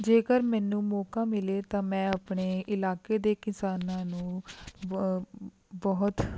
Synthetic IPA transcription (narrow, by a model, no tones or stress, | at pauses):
d͡ʒeːkəɾmɛːnũːmɔːkaːmɪleːt̪ãːmɛ̃ːapɳeːʔɪlaːkeːd̪eːkɪsaːnãːnũː | bɔːɦt̪